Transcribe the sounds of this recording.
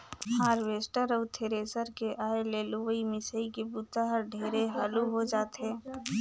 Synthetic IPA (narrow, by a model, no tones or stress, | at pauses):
haːɾʋeːsʈəɾɔʊt̪ʰeɾeːsəɾkeʔaːeleluʋəimɪsəikebut̪aɦəɾɖʱeːɾeɦaluɦod͡ʒaːt̪ɦɛ̃ː